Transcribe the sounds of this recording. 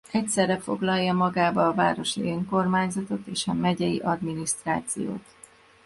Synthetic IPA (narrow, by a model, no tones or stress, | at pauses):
ɛcsɛrːɛfo̞̰ɡlɒjːɒmɒɡaːbɒːva̰ːɾo̞ʃiøːŋko̞rmaːɲzɒt̪o̞t̪eːʃɒmɛɟɛjḭʔɒd̪minist̪raːt̪sijo̰ːt̪